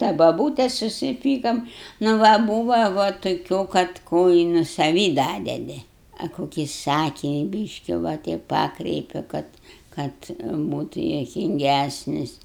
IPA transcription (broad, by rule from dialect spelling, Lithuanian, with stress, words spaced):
tɐ bɐˈbuːtʲɛs sʊsʲɪˈpʲiːkoːm nʊ ˈʋɐ ˈbuːʋɐ ʋɐ toːˈkʲuː kɐt ˈkoː ɪ nʊ sɐˈʋʲiː ˈdɑːdʲɛdʲɪ ɐ koːˈkʲiː ˈsɑːkʲɪnʲɪ ˈbʲiːʃʲkʲɪ ʋɐ ˈtʲɛɪp ˈpɑːkrʲɛɪpʲɪ ˈkɐt ˈkɐt ˈbuːtʊ juɔkʲɪŋʲˈɡʲæsʲnʲɪs